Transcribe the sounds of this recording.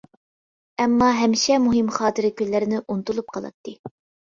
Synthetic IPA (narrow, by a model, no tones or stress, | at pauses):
ɛmːɑɦɛmʃɛmuɦɪmχɑːt̪ɨɾɪkʲyllːɪɾɪnɪʔunt̪ulˠup̚qʰɑlˠɑ̰t̪ːɨ